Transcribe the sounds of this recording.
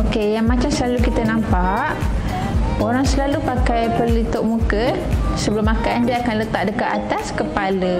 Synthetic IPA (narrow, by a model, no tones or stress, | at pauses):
okejaŋmãt͡ʃamsəlalukit̪ənampaʔ | oɾaŋsəlalupakajpərlit̪ʊʔmũkə | səbəlʊmakandiaakanlət̪aʔ̚dəkaʔat̪askəpalə